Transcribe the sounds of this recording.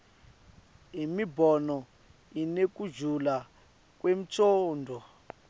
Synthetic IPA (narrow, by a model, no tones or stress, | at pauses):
ɦimibɔnɔ | inek̬ud͡ʒula | k̬ʼwem̩t͡ʃoːndʱɔ